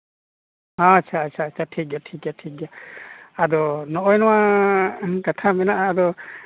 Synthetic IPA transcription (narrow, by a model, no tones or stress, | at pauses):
hãat͡ʃʰaːt͡ʃʰaːt͡ʃʰatʰik̚datʰik̚jatʰik̚daadɔnɔʔɔjnɔwa | katʰamɛnaʔaːdɔ